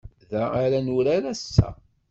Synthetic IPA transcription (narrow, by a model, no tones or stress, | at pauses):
ðæaɾænuɾaɾæsːæ̰